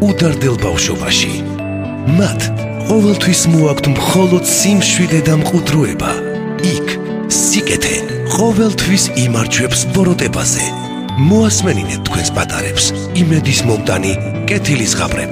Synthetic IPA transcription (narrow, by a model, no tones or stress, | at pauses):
ud̪aɾd̪ɛlˠbafʃɔbaʃḭ | mat̪ʰ | qʼɔvɛlˠt̪ʰwismɔakʰt̪ʰmχɔlˠɔd̪simʃwid̪ɛd̪amqʼud̪ɾuɛba̰ | ikʰ | sikʼɛt̪ʰɛ̰ | qʼɔvɛlˠt̪ʰwisimaɾd͡ʒwɛpsbɔɾɔt̪ʼɛba̰z̥ɛ̰ | mɔasmɛninɛt̪̚t̪ʰːkʰwɛnspʼat̪ʼa̰ɾɛps | imɛd̪ismɔmt̪ʼani | kʼɛt̪ʰilisʁa̰bɾɛ̰